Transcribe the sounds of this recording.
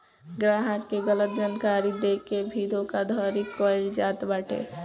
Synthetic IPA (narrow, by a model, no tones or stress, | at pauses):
ɡɾaɦəkːeɡələt̪̚d͡ʒankaɾid̪ekebʱid̪ʱokad̪ʱɔɾikəɪld͡ʒat̪baʈʰḛ